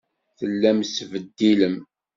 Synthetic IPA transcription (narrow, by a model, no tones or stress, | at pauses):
θəlːæmsvəd̪ːiləm